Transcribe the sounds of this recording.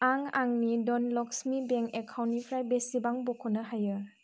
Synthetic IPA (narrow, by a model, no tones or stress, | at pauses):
aŋaŋnidɔnlɔk̚smibɛŋekʰawnipʰɾajbesibaŋbɔkʰɔnaɦajɯ